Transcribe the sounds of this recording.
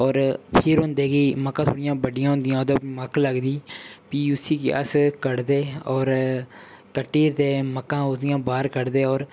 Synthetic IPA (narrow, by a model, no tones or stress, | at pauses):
ɔːɾpʰɪɾɦʊ̃ːnd̪eːɡiːməkːãːt̪ʰoːɽɪjãːbəɖɪjãːɦʊ̃nd̪ɪjãːod̪əbməkləɡd̪iːpiːʊsiːkeə̰skəɽd̪eːɔːɾ | kəʈːiːɾt̪eːməkːãːʊsd̪ɪjãːbaːɾkəɽd̪eːɔːɾ